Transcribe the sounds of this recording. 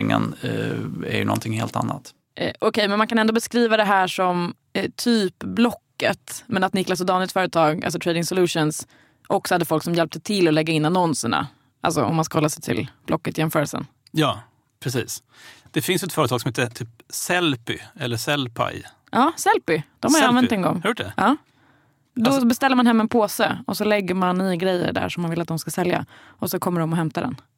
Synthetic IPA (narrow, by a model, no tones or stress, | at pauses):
ŋːə̰n | æ̰ɾjɵ̰nɔ̰nt̪ʰɪŋhḛːlt̪a̰nːa̰t̪ | ʔʔɔkʰɛjmɛnmankʰanɛnd̪ɔbɛskɾiːvad̪ɛɦæːʂɔm | t̪ʰyːpblɔkːət̪mɛnat̪̚nɪklas̬ɔd̪ɑːnlɪkt̪fœːɾət̪ʰɑːɡa̰ls̬ɔt̪ʰɾeːd̪ɪŋsʊlʉ̟ːʂʊns | ʔɔksɔ̥had̪ːəfɔlksɔmjɛlp̚t̪ət̪ʰɪlːɔlɛɡːaɪnːanɔnsəɳa̰ | ʔa̰lsɔɔ̰mːanskahɔlːasɛjt̪ʰɪ̰lb̥lɔkːət̪jɛmfœːɾəlsə̰n | jɑː | pʰɾɛsḭːs | d̪̥ɛfɪnsjʏɛt̪fœːɾət̪ʰɑɡsɔmheːt̪ət̪ʰyːp̚sɛlpɪ̰ɛlːəsɛlpʰa̰ɪ | ʔɑːsɛlpɪd̪̥ɔmhaɾaavɛnɛnɡɔ̰ŋːhjʊʈːdɛʔɑː | d̪ɔbɛst̪ɛlːɾmanɦɛmːɛnpʰoːsəɔsɔlɛɡːəɾmanːiɡɾɛjːə̰ɖæ̰ʂɔmːanvɪlat̪d̪ɔmskasɛlja̰ | ɔsɔkʰɔmːəɖɔmɔɦɛmt̪ad̪ɛ̰n